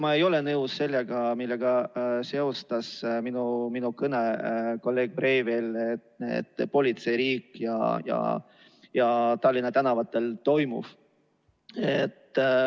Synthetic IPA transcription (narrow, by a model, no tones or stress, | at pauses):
mɑe̞jo̞le̞nɤwsse̞lːeɡ̥ɑmilːeɡ̥ɑse̞ost̪ɑsminuminukɤneko̞lːe̞ːɡ̥̚bre̞ːvelet̪nḛd̪̥po̞lʲit̪se̞jɾiːkjɑ̰jɑ̰ | jɑt̪ɑlːinɑt̪ænɑvɑt̪ːˑe̞lt̪o̞jmṵf | et̪ːˑ